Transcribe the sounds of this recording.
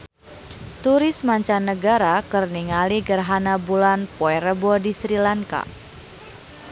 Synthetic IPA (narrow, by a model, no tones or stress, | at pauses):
t̪uɾɪsmaɲt͡ʃanːəɡaɾakərniŋaliɡərɦanabulanpɔɛɾəbɔdisɾilaŋka̰